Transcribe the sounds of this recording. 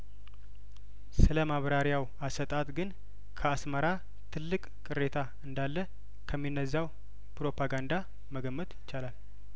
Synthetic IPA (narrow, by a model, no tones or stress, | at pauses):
sɨləmaβɾaɾjaw | asət̪ʼat̪ɡɨn | kʰəasməɾa | t̪ʰɨlːɨkʼkʼɨɾe̞t̪ʰa | ɨnd̪alːə | kʰəmːinːəzːaw | pɾo̞pʰaɡand̪a | məɡəmːət̪jɪt͡ʃːalal